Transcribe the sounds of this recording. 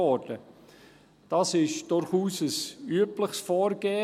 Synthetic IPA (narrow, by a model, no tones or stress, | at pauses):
ɔːɾd̥ə | d̥ɑːsɪʃd̥ʊɾχuːsəsyəpləχsfɔːɾɡ̥eː